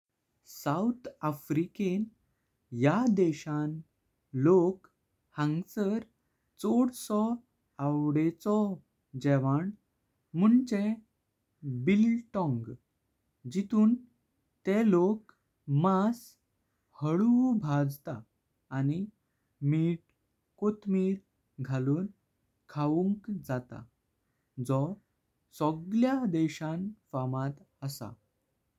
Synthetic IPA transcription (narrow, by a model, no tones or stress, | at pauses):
sawt̪ʰafɾiken | jad̪eɕãn | lok | hãŋɡsəɾ | t͡soɽsɔ | awɽet͡sɔ | d͡ʑɛʋaɳ | muɳt͡ɕe | bilʈɔ̃ŋɡ | d͡ʑit̪uːn | t̪elok | mas | həɭubʱad͡zt̪aː | ni | miːʈ | kot̪miːɾ | ɡʱaluːn | kʰaʋuŋkd͡zat̪a̰ | d͡zɔ | sɔɡljad̪ɛɕãnfamat̪ | əsa̰